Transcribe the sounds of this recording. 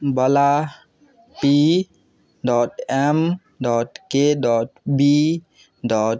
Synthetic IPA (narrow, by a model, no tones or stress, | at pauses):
bɔla | pi | ɖɔʈem | ɖɔʈkeɖɔʈbi | ɖɔ